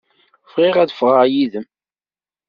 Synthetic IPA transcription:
fʁɪʁæðəfʁəjiðəm

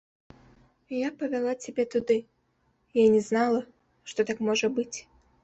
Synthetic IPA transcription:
japɐvʲɛlˠat͡sʲɛbʲɛt̪ud̪ɨ | janʲɛznalˠɐ | ʂt̪ɔt̪akmɔʐəbɨt͡sʲ

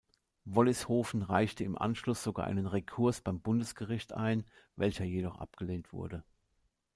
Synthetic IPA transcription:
vɔlɪshoːfn̩ʁaɪçtəɪmʔa̰nʃlʊsz̥oɡa̰ːʔa̰ɪnənʁekʰʊɐsb̥aɪmbʊndəsɡ̥əʁɪçtʔa̰ɪn | vɛlçɐjedɔχʔa̰pɡ̥əleːntv̥ʊ̰ɐdə

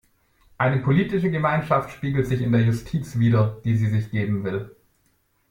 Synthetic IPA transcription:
ʔaɪnəpʰoliːtɪʃəɡəmaɪnʃaftʃpiːɡl̩tz̥ɪçɪndeːɐjʊstʰiːt͡sv̥iːdɐd̥iːziːzɪçɡ̥eːbm̩vɪl

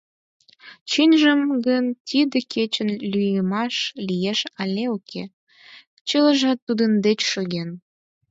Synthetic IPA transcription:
t͡ɕinʲʒəmɡənt̪ʲid̪əkʰet͡ɕənlyjəmɑʃlijeʃɑlʲeokʰe | t͡ɕələʒɑt̪ːud̪ənd̪et͡ɕʃoɣen

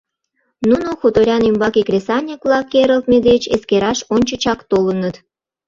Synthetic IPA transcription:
nunoxut̪oɾʲɑnymbɑkekrʲesɑnʲiklɑkeɾə̆lt̪̚med̪et͡ɕeskeɾɑʃonʲt͡ɕət͡ɕɑkt̪olənət̪

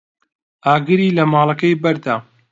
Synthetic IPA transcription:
ʔaːɡɨɾiːlɐmaːlˠɐkɐjbɐɾd̪aː

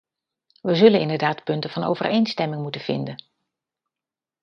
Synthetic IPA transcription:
ʋəzɵlənɪndəɹdaːtpɵntəvɑno̰wvə̰rʔejnstɛmɪŋmutəv̥ɪ̰ndən

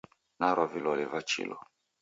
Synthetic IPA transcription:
naɾɔvilɔlɛvat͡ʃḭlɔ̰

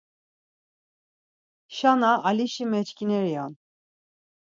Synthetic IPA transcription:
ʃanaʔːliʃimɛt͡ʃkinɛɾijan

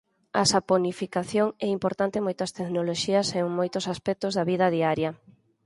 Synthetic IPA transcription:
a̰saponifikaθjoŋɛimpoɾt̪ant̪ɪmojt̪ɐst̪eknoloʃiɐseuŋmojt̪ʊsaspɛk̚t̪ʊzðɐβið̞ɐð̞iaɾjɐ

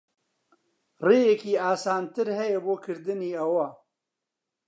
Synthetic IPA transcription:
reːjɛkiːaːsaːnt̪ɨɾhɛjɛboːkʰɨɾd̪ɨniːɐwɐ

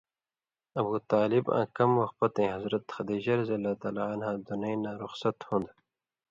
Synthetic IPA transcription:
ɐbuːt̪aːlibã̰ːkɐmwɐxt̪̚pɐt̪ẽːɦɐzɾɐt̪xɐd̪iːʑɐɾziɐlːaːt̪aːlaanhãːd̪unɐjnaːɾʊxsɐt̪hũnd̪

